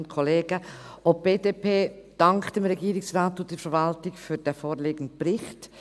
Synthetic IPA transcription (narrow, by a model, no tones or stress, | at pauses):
ntkʰɔleːɡ̥ə | ʔop̚b̥eːdeːpʰeːd̥ɑŋktd̥emɾɛɡiːɾɪksraːtʊd̥ifəɾvɑltɪkfyːd̥ɛfoːɾleːɡn̩db̥ɾɪxt